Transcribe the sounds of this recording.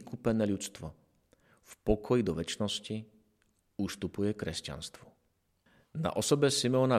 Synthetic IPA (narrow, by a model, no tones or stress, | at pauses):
ikupɛnɛːʎut͡st̪ʋɔ | fpɔkʰɔjid̪ɔʋɛt͡ʃnɔsci | ust̪upujɛkɾɛsca̰nst̪ʋɔ | na̰ʔɔsɔbɛsimɛɔna